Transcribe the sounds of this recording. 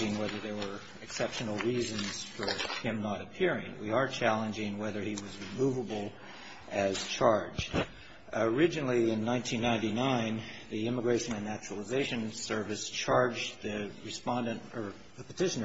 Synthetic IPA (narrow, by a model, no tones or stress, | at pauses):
ɪ̃ŋwɛðə˞ðə˞wə˞ | ɨksɛpʃɨnl̩ˠɹizɨ̃nz̥fə˞hɪ̃mnəɾɨpʰɪɹɪ̰̃ŋwiə˞t͡ʃʰælˠə̃nd͡ʒɪ̃ŋwɛðə˞iwʌzɹɨmuvəbl̩ˠ | ʔɨz̥t͡ʃʰɑɹd͡ʒd̥ | ə˞ɪd͡ʒɨnl̩ˠiɪ̃nːãɪ̃ntʰĩnːãɪ̃ntinãɪ̃nðiɪ̃məɡɹeɪʃɨ̃nɨ̃nːæt͡ʃɹəl̩ˠəzeɪʃɨ̃nsɜ˞vɨst͡ʃʰɑɹd͡ʒðɨɹɨspɑ̃ndɨ̃ntə˞ | ðɨpʰə̥tʰɪʃnə˞